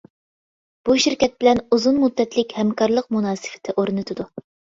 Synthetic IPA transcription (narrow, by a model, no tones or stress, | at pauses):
b̥uʃiɾkʲɛt̪̚bɪlɛnuzunmud̪ːɛt̪lɪkʲhɛmkʰɑɾlˠəq̚munɑːsɪ̥fɪ̥t̪ʰɪʔoɾnɨt̪ʰɨd̪u